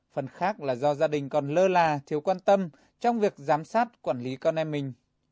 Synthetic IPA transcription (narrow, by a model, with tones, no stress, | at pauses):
fə˨˩nxaː˦˥k̚laː˨˩zɔ˧zaː˧ɗï˨˩ŋ̟kɔ˨˩nləː˧laː˨˩t̪ʰi˨˦əwkwaː˧nt̪ə˧m | t͡ɕɔ˧wŋ͡mvi˨˩ək̚zaː˨˦msaː˦˥t̚kwaː˧˩nli˨˦kɔ˧nɛ˧mːï˨˩ŋ̟